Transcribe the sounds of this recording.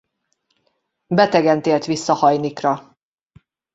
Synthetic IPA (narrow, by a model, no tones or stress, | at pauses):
bɛt̪ɛɡɛnt̪eːlt̪ʋisːɒhɒjnikrɒ